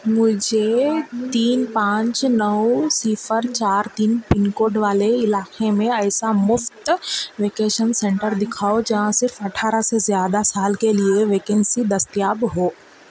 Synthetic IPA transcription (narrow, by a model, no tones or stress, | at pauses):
mʊd͡ʒʱet̪iːnpãːt͡ʃnɐʊsiːfʰəɾt͡ʃaːɾt̪iːnpɪnkoːɖʋaːleɪlaːkemẽɛːsamʊft̪ʋeːkeːʃənsɛ̃ɳʈəɾd̪ɪkʰaːod͡ʒɐɦãsɪɾfɐʈʰaːɾasezjaːd̪asaːlkelieʋeːkẽnsid̪ɐst̪ijaːbɦoː